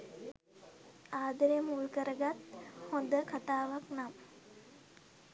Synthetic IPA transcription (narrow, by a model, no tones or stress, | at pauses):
aːd̪əɾemulkəɾəɡat̪hond̪əkat̪aːʋaknam